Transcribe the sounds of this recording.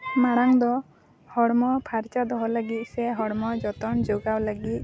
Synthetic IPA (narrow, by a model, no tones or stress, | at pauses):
maɽaŋd̪ɔ | hɔɽmɔpʰaɾt͡ʃad̪ɔɦɔləɡit̪̚ˀsɛɦɔɽmɔd͡ʒɔt̪ɔnd͡ʒoɡawləɡit̪̚